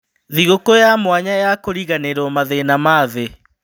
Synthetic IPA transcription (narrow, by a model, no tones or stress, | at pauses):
ðiɣokojamwaɲajakoɾiɣaneɾɔmaðenamaðe